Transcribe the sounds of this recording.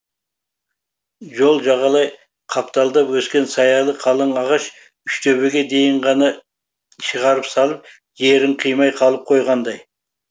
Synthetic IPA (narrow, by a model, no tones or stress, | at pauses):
ʒo̞lˠʒɑʁɑlˠɑj | qʰɑpt̪ɑlˠd̪ɑpwɵskʲe̞nsɑjɑlˠəqʰɑlˠəɴɑʁɑʃ | ʏʃt̪ʰøβɪɡʲe̞d̪e̞jɪɴʁɑnɑ | ʃəʁɑɾəpsɑlˠəp̚ | je̞ɾɪɴqʰijmɑjqʰɑlˠəp̚qʰo̞jʁɑnd̪ɑj